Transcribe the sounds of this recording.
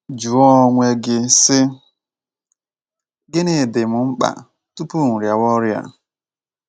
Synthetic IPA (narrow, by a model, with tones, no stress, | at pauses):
d͡ʒu˨ɔ˦ŋʷe˦ɡɪ˦sɪ˦ | ɡɪ˦ne˨dɪ˨mʊ˨ŋ͡m̩˦k͡pa̰˨ | tu˦pu˦˨ŋ̩˨ɾja˨wɔ˦ɾja̰˨